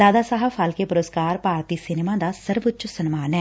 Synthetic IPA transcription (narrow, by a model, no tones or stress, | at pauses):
d̪aːd̪aːsaːɦəfʰaːlkepʊɾəskaːɾpaːɾt̪iːsɪneːmãːd̪aːsəɾʋət͡ʃsənmaːnɛː